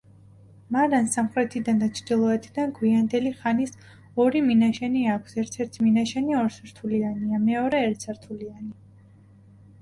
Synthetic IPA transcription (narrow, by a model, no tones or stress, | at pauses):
maɾansamχɾɛt̪ʰid̪and̪at͡ʃʰɾd̪̥ilˠɔɛt̪ʰid̪anɡwiand̪ɛliχanis | ɔɾiminaʃɛniakʰsɛɾt̪ʰɛɾt̪ʰiminaʃɛniɔɾsɾt̪ʰulianiamɛɔɾɛːɾt̪sʰaɾt̪ʰuliani